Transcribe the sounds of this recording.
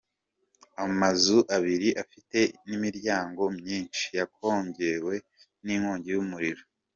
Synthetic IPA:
amazuʔaβiɾiʔafite̞nimiɾɟaːŋɡo̞mɲiːnt͡ʃi̥jakʰo̞ːɲɟe̞we̞ | niŋhoːɲɟejumuɾiɾo

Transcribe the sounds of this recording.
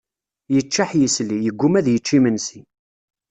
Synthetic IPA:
jət͡ʃːaħjəslijəɡʷːumæðjət͡ʃːimənsi

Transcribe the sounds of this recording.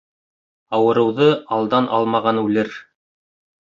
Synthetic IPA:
ɑwɤ̆ɾɤ̆wðɤɑlˠd̪ɑnʔɑ̰lˠmɑʁɑnʉlɘɾ

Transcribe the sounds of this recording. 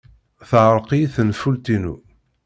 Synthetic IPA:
θʕəɾˤqiθənfult̪inṵ

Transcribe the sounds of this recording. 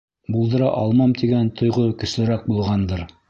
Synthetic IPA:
bulˠd̪ɤ̆ɾɑʔɑ̰lˠmɑmt̪iɡænt̪ʰŏjʁokɵ̆slɘ̆ɾæk̚bulˠʁɑnd̪ɤɾ

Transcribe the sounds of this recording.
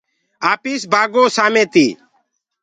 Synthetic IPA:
aːpiːsbʱaːɡoːsaːmẽːt̪iː

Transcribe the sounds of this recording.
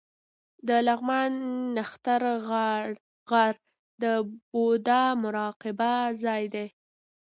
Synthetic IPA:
d̪əlaɣmanːaxt̪aɾ | ɣaɾ | d̪əbod̪amʊɾɑqɪbazɑjd̪e

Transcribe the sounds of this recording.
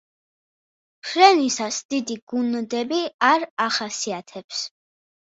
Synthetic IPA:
pʰɾɛnisasd̪̥id̪iɡ̥und̪ɛbiaɾaχasiat̪ʰɛps

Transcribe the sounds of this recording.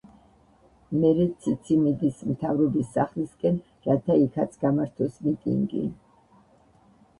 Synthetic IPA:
mɛɾɛt̪sʰit̪sʰimid̪ismt̪ʰavɾɔbisːaχliskʼɛn | ɾat̪ʰaikʰat̪sʰɡ̥amaɾt̪ʰɔsmit̪ʼḭŋɡḭ

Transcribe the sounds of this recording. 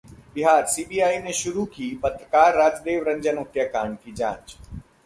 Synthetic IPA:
bɪɦaːɾsiːbiːaːinẽʃʊɾukʰiːpɐt̪ɾəkaːɾːaːd͡ʒd̪eːʋɾɐ̃ɲd͡ʒənoːt̪jakaːɳkʰiːd͡ʒã̰ːɲt͡ʃ

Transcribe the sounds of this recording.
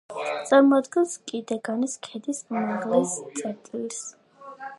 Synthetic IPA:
t̪ʼaɾmɔad̪ɡɛnskʼid̪ɛɡaniskʰɛd̪ismaʁlɛst̪sʼɛɾt̪ʼilis

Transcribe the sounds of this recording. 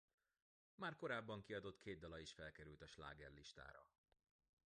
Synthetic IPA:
maːrko̞ɾaːbːɒŋkiɒd̪o̞t̪kʰeːd̪̚d̪ːɒlɒiʃfɛlkɛɾylt̪ɒʃla̰ːɡɛrliʃt̪a̰ːɾɒ̰

